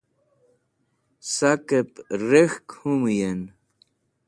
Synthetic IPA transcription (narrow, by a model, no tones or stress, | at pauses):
sakepɾexkhumujen